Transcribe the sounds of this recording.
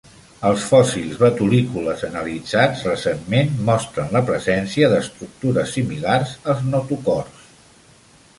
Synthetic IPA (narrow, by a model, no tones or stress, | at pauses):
əlˠsfɔsilˠzβət̪ulikuləzənəlid͡zad͡zrəsemmenmɔst̪ɾənləpɾəzɛnsiəðəst̪ɾuk̚t̪uɾəsimilarzəlˠznot̪ukɔrs